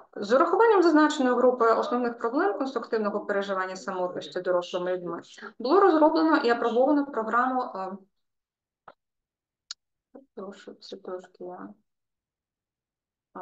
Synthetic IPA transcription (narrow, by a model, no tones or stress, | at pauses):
zɔɾɐxʊʋɑnʲːɐmzɐznɑt͡ʃenɔjʊɦɾupɪɔsnɔwnɪxpɾɔblˠɛmkɔnst̪ɾʊkt̪ɪwnɔɦɔpeɾeʒɪʋɑnʲːɐsɐmɔt̪lɐsʲtʲid̪ɔɾɔslˠɪmɪlʲid̪mɪbʊlˠɔɾɔzɾɔblˠenɔʔiɐpɾɔbɔʋɐnɔwpɾɔɦɾɑmʊ | ɛt̪ɾɔʃɛt̪ɾɔʃkɪja